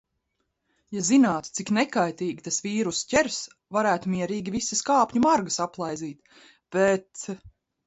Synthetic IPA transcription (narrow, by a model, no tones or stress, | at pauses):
jazinaːt̪t̪siknɛkajt̪iːɡʲit̪asviːɾuscɛɾs | vaɾæːt̪umiɛɾiːɡʲivisɐskaːpʲɲumaɾɡɐsaplˠajziːt̪ | b̥ɛt̪